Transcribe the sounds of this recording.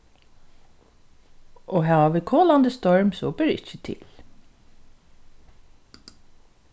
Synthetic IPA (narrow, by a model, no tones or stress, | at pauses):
ʔɔːɦɑːʋaʋiːkʰoːland̪əst̪ɔɹmsɔbɪɾɪ̰t͡ʃət̪ʰɪ̰l